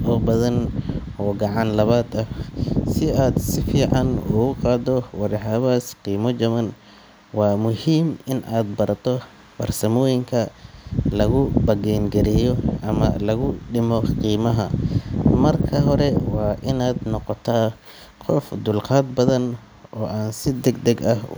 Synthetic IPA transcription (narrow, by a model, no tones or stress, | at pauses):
ʔɔːbɐðɐnɔːɡɑʕɑnlɐβaːd̪ɐsɪaːd̪sɪfiːʕɑnṵɣʊqɑːd̪ɔwɑɾɑħɑβaːsqiːmɔt͡ʃɐmɐn | wɑːmʊhiːmɪnʔaːd̪bɐɾɐt̪ʰɔ | bɐ̰rsɐmɔːjɪŋkʰɐlɐɣʊbɐɣɛːnɡɛɾɛjɔʔɐmɐ̰lɐɣʊɖɪmɔqiːmɐɦɐ | mɐrkʰɐɦɔɾɛwɑːʔɪnaːd̪nɔqɔt̪ʰaː | qʰɔfd̪ʊlqaːd̪bɐðɐn | ʔɔːʔaːnsɪd̪ɛɡd̪ɛɡɐh